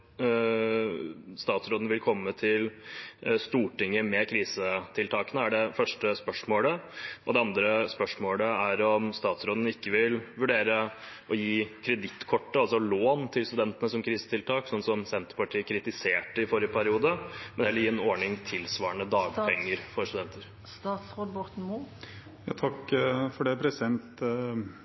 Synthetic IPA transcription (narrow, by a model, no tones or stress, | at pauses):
st̪ɑːt̪sɾoːd̪n̩ʋɪlkʰɔmːət̪ʰɪl | st̪uːʈɪŋːəmɛkʰɾiːsət̪ʰɪlt̪ʰɑːkənəæɖɛfœʂʈəspœʂmoːləʔɔd̪ɛɑnd̪ɾəspœʂmoːləæɾɔmst̪ɑːt̪sɾoːd̪n̩ɪkːəʋɪlʋʉɖeːɾə | ʔɔjiːkʰɾɛd̪ɪt̪ːkʰɔʈːəɑlsɔloːnt̪ʰɪlst̪ʉd̪ɛnt̪ənəsɔmkʰɾiːsət̪ɪlt̪ʰɑːksɔnːsɔmsɛnt̪əɾpɑʈʰiːəkʰɾɪt̪ɪseːʈəɪfoːɾjəpʰæɾɪuːd̪əmɛnɛljiːɛnɔɳɪŋt̪ʰɪlsʋɑːəɳəd̪ɑːɡpʰɛŋːəɾfɔɾst̪ʉd̪ɛnt̪ʰəɾ | t̪ɑːt̪sʁoːd̪bɔʁt̪n̩mu | jɑ̰ːt̪ʰɑkːfɔɖɛpʰɾɛsɪɛnt̪